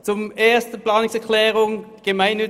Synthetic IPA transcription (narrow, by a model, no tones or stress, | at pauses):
t͡sʊmeːɐstn̩plɑːnʊŋsɛɐkʰlɛːʁʊŋɡ̥əmaɪnːʏ